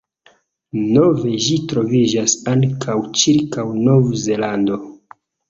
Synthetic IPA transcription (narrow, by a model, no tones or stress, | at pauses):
no̞ve̞ʒitɾo̞vid͡ʒasaŋkʰawt͡ʃiɾkawno̞vze̞lando̞